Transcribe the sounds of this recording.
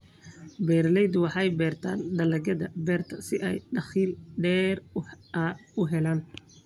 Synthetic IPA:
bɛːɾlɛjd̪wɑħɑjbɛːrt̪ʰaːnɖɐlɐɣɐðɐbɛːrt̪ʰɐsɪʔɛjɖɐχiːlɖɛːrɐʊɦɛlaːn

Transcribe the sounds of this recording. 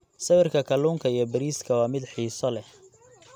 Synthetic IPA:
sɐβɛrkʰɐkʰɐluːŋkʰɐijɔbɐɾiːskʰɐwɑːmɪd̪ħiːsɔlɛh

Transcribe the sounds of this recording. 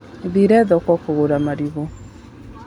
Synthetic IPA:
ðiɾɛðɔkwɔkoɣoɾamaɾiβo

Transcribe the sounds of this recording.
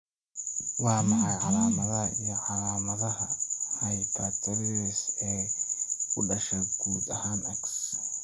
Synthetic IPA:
waːmahaha̰ɾamaβaijahaɾamaβahahajitateɾiese | udaʃeɡuza̰hanaks

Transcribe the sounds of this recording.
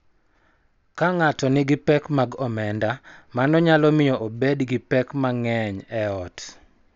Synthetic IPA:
kaŋatɔnɪɡɪpɛkmaɡɔmɛndamanɔɲalɔmɪjɔʔobedɡɪpɛkmaŋɛɲɛɔt

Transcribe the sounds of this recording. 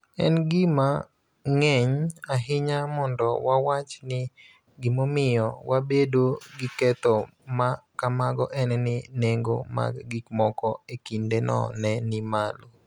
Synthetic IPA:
ɛnɡɪma | ŋɛɲaɦɪɲamɔndɔwawat͡ʃnɪ | ɡɪmomɪjɔwabedoɡɪkɛt̪ɔmakamaɡɔʔɛnɛnɪneŋɡo̰ma̰ɡɡikmɔkɔekindenɔ̰nɛnɪmalo

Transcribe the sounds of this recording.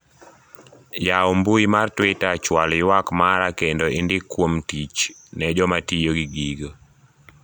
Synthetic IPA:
jaɔmbuimartwɪtat͡ʃwalɪwakmaɾakendoɪndɪkwomtit͡ʃnɛd͡ʒɔmatijoɡiɡiɡo

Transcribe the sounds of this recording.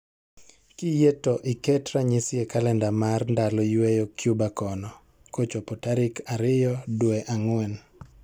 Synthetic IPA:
kijetoʔɪkɛtɾaɲɪsjekalɛndamarndalɔjwejokjubakɔnɔ | kot͡ʃopotaɾɪkaɾɪjɔdwɛʔaŋwɛn

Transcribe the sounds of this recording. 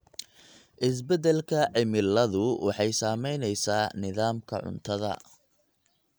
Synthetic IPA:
ʔɪs̬bɛd̪ɛlkʰɐʕɪmɪlːɐðʊwʔɑ̰ħɑjsaːmɛjnɛjsaːnɪðaːmkʰɐ̰ʕʊ̰nt̪ʰɐðɐ̰

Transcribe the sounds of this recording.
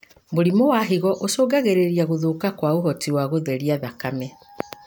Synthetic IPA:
boɾimowaɦiɣɔʔosoːɡaɣeɾeɾiaɣoðoːkakwaoɦɔtiwaɣoðɛɾiaðakamɛ

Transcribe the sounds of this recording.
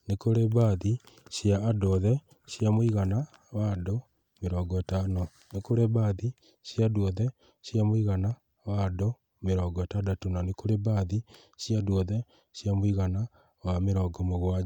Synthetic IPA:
nekoɾeβaðiɕjaːdɔðɛ | ɕjamoiɣana | wado | meɾɔːɡɔetano | nekoɾeβaði | ɕjaːdɔðɛ | jamoiɣana | wado | meɾɔɡɔetadatonanekoɾebaði | ɕjaːdwɔðɛ | ɕjamoiɣana | wameɾɔːɡɔmoɣwa

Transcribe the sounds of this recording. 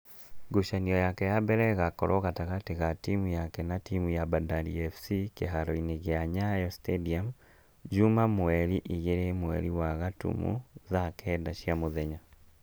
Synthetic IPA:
ɡuʃaniɔjakɛjabɛɾɛɣakɔɾɔɣataɣateɣatimujakɛnatimujabadaɾḭɛfsikeɦaɾɔineɣeaɲajɔstediam | d͡ʒumamwɛɾiʔiɣeɾemwɛ̰ɾiwaɣatṵmṵðakʰɛdaʃiamoðɛɲa

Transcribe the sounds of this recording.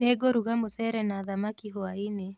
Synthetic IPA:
neɡoɾuɣamosɛɾɛnaːðamakiɦoaine

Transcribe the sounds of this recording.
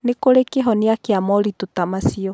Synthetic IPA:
nekoɾekeɦɔneakeamɔɾitotamasiɔ

